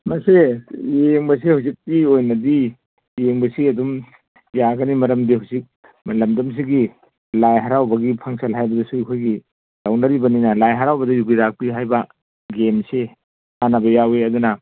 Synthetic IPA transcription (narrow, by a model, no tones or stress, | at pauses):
mɐsejeŋbɐs̬ehawzik̚tiojnɐdi | jeŋbɐsiɐdum | jaɡɐnimɐɾɐmdihawzik̚ | mɐlɐmdɐms̬iɡi | lajɦaɾawbɐɡipʰɐŋsɐlɦajbɐdɐsuikʰojɡi | lawnɐɾibɐninɐlajɦaɾawbɐdɐjuɡiɾak̚piɦajbɐ | ɡemse | hanɐbɐjaweɐdunɐ